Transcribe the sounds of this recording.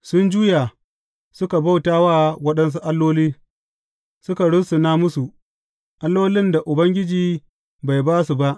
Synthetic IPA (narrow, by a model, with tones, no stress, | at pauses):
sʊ˦nd͡ʒuː˦ja˨ | sʊ˦ka˨ba˦wtaː˦wa˦wɐ˦ɗɐ˦ns̬u˦ʔa˦lːoː˦liː˦ | sʊ˦ka˨ɽʊ˦sʊ˨naː˦mʊ˦su˨ʔ | ʔa˦lːoː˦lɪ˦nda˨ʔʊ˨bɐ˦ŋɡʲɪ˦d͡ʒiː˨ | ba˨jbaː˦su˨ba˦ʔ